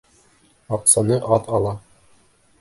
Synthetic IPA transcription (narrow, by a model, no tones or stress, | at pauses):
ɑqsɑnɤʔɑt̪ɑlˠɑ